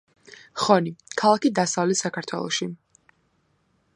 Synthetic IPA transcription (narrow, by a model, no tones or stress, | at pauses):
χɔnikʰalˠakid̪asavlɛt̪sakʰaɾt̪ʰwɛ̰lˠɔ̰ʃi